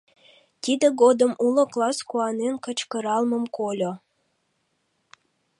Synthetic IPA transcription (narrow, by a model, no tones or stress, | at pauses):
t̪id̪əɡod̪əmulŏklˠɑskuɑnenkə̆t͡ɕkəɾɑlˠməmkolʲo